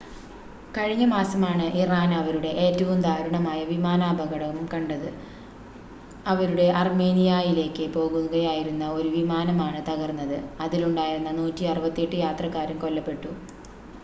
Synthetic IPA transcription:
kɐɻiɲːɐmaːsɐmaːɳɨʔiraːnɐʋɐɾuɽe̞ʔeːtːɐʋumd̪ʱaːɾuɳɐmaːjɐʋimaːnaːbʱɐɣɐɽɐʋɐmkɐɳɖɐðɨ | ɐʋɐɾuɽe̞ʔɐrme̞ːnijajile̞ːkːɨpo̞ːɣunːuɣɐjaːjiɾunːɐo̞ɾuʋimaːnɐmaːɳɨt̪ɐɣɐrnːɐðɨɐðiluɳɖaːjiɾunːɐnuːtːiɐrɨbɐt̪ːeːʈːɨjaːt̪rɐkːaːɾumko̞lːɐpːe̞ʈːu

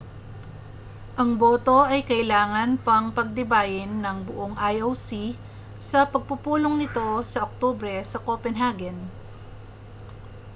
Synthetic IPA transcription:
ʔɐŋboːt̪o̞ʔɐjkɐʔɪlaːŋɐnpɐŋpɐɡ̚d̪ɪbaːjɪnːɐŋbʊʔoŋʔajowsi | sɐpɐɡ̚pʊpuːloŋnɪt̪o̞sɐʔok̚t̪oːbɾɛsɐkopɛnɦaɡɛn

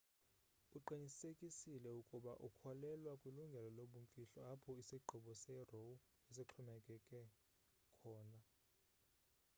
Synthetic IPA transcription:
uǃiɲisekʼisilɛukʼuɓa̰ʔukʰɔlɛlwakʼwiluŋɡʱɛlɔloɓuɱfʼiɬɔapʰɔisiǃʱɔɓɔsɛrowu | is̬iǁʰɔmɛkʼɛkʼɛ | kʰɔːna

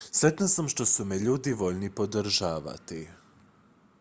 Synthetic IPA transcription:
sɾet̪nasamʃt̪o̞sumeʎuːd̪iʋo̞ʎnipo̞d̪ɾʒaːʋa̰t̪i

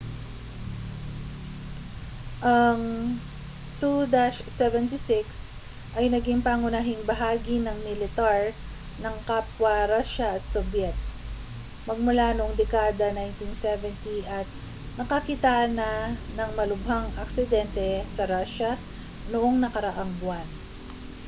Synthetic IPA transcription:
ʔɐŋ | t̪ud̪aʃsɛvɛnt̪isɪks | ʔɐjnɐɡiŋpaːŋʊnaːɦɪŋbɐɦaːɡinɐŋmɪlɪt̪aɹ | nɐŋkapwɐɾaʃɐʔɐt̪̚sobjɛt̪̚ | mɐɡ̚mʊlanoʊʔoŋd̪ɛkaːd̪ɐnajnt̪insɛvɛnt̪iʔɐt̪̚ | nɐkɐkit̪anɐnɐŋmɐlʊbhaŋʔɐksɪd̪ɛnt̪ɛsɐɾaʃɐ | noʔo̞ŋnɐkɐɾɐʔaŋbwan

